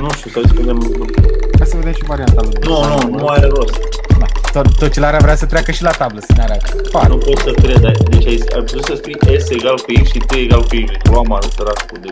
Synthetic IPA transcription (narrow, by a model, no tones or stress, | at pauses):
nũʃt̪ʲusaiskund̪emut̪ikasəved̪emʃivaɾiant̪amnononumaaɾeɾost̪d̪at̪ot̪ːot͡ʃelaɾeavɾeasət̪ɾeakəʃilat̪abləsəneaɾat̪panupo̞t̪səkɾed̪ajd̪et͡ʃʲaisa̰jpot̪ussəspujeseɡalkujekʃit̪ɨjeɡalkujekt̪uamaɾd̪ɾaskud̪e